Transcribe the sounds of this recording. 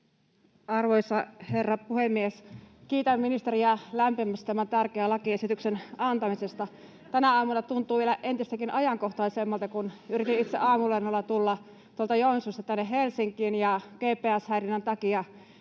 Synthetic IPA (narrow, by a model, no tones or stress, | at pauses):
ɑrʋoisɑherːɑpuhemːieskiːt̪æmminist̪eriælæmpimæst̪æmænt̪ærkeælɑkiesit̪yksenɑnt̪ɑmisest̪ɑ | t̪ænæɑːmulːˑɑt̪unt̪ˑuːʋielæʔent̪ist̪ækinɑjɑŋkoht̪ɑisemːɑlt̪ɑkunyrit̪init̪seʔɑːmulɑnːɑlːɑt̪ulːɑ | t̪uolt̪ɑjonisust̪ɑt̪ænːeɦelsiŋkˑiːnjɑkeːpːˑeːæshæirinːænt̪ɑkiɑ